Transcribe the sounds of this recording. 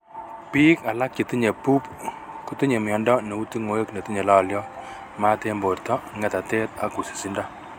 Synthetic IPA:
pi˦ka˨la˦k̚t͡ʃi˨ti˦ɲe˨pu˦p̚ | ku˦tu˦ɲe˨mjɔ˨ndɔ˦ne˨u˦ti˦ŋo˦e˦kne˨ti˦ɲe˨la˦˨ljɔ˦ | ma˦te˦mbo˨rtɔ˦ŋɛ˦ta˨te˦ta˦ku˨si̥˨si˦nda˦

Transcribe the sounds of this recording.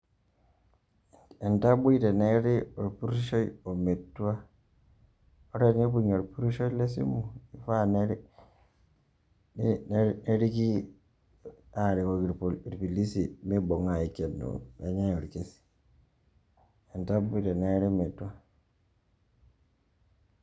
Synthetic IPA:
e˨nta˦bu˦i˦te˨ne˦ɾi˦o˨ɾpu˦ɾu˦ʃo˦jo˨me˨tːu˦a˦ | o˦ɾe˦ne˦bu˨ɲo˨ɾpu˦ɾu˦ʃo˦i˦le˦s̬ḭ˦mu˨i˨fa˦ne˦ɾi˦ | n˦ne˦ɾi˦ki˦ | a˦˨ɾi˨ko˦i˨ɾɾpi˨li˦si˨me˦bo˨ŋa˨i˨ke˨nːo̰˨e˦ɲa˦o˨ɾke˦si̥˨ | e˨nta˦bu˦te˨ne˦ɾi˦me˨tːu˦a˦

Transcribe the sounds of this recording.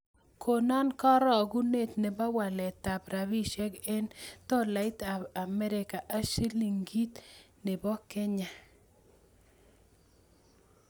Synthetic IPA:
ko˨nɔ˦nkɔ˦ɾɔ˦˨ɡu˦ne˦˨t̪ne˨bɔ˦wa˨lɛ˨t̪a˨bɾa˨bi˦ʃɛ˦ɡe˦nt̪ɔ˦la˨ɪ˦t̪a˨a˨mɛ˦ɾɪ˨ka˨ʔa˦si˦li˨ŋɡi˦t̪ | nɪ˨bɔ˦ke˦ɲa˨

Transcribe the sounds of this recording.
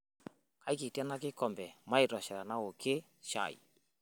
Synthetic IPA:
ka˨˦i˦ki˨ti˦a˦na˦kɪ˦kɔ˨mbɛ˨ma˦e˨tɔ˨ʃɛ˨ɾa˨na˦o˨kʰe˦ | ʃa̰˨ḭ˨

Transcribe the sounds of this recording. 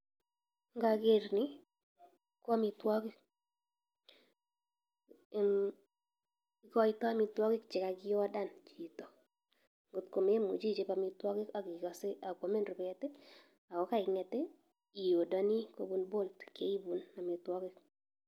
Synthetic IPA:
ŋɡa˨ɡe˦˨ɾnɪ˦ | kɔ˦mɪ˨twɔ˦kɪ˦k̚ | kɔ˦ɪ˦tɔ˦a˦mɪ˨twɔ˦kɪ˦kt͡ʃɪ˨ka˨ɡɪ˦ɔ˦da˦˨nt͡ʃi˨to˨ | ŋɡʊ˨tko˨me˦mṵ˨t͡ʃi˦t͡ʃe˨pa˨mɪ˨twɔ˦kɪ˦ka˨ɡɪ˨kɔ˨sɪ˦a˨kwɔ˨me˦nrʊ˨pɛ˦tɛ˦ | a˨kɔ˨˦ka˦ɪ˨ŋɛ˨tɪ˦ | i˨jo˨dɔ˦ni˦ko˦bu˨nbo˦ltke˦i˦bu˨na˨mɪ˨twɔ˦kɪ˦k

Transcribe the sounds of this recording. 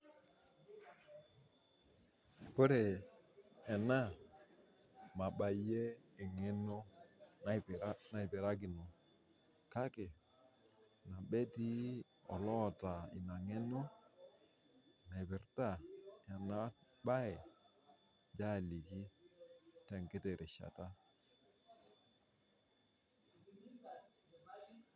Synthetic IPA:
po˦ɾe˨ | ɛ˨na˦ | ma˨ɓa˨˦je˦ɪ˨ŋe˦no˦na˦˨pɾa˦na˨i˨bɛ˨ɾa˦ɡi˨no˨ | ka˦ke˨ | na˨ɓɛ˦ti˦ | ɔ̰˨lɔ˦˨ta˨ḭ˨na˨ŋɛ˦nɔ˦ | na˨i˨bɪ˨ɾta˦˨ja˨na˦ | ɓa˦ɛ˨ | d͡ʒa˦˨li˨ki˦ | tɛ˨ŋke˦te˨ɾɪ˨ʃa̰˨ta˦

